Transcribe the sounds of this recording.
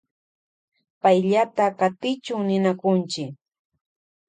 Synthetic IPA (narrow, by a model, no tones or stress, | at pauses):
pajʎat̪akat̪ɪt͡ʃʊŋnɪnakʊnt͡ʃɪk